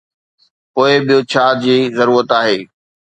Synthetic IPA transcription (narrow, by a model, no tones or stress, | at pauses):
poːɪɓɪjot͡ɕʰaːd͡ʑiːzɐɾuːɾət̪aːɦeː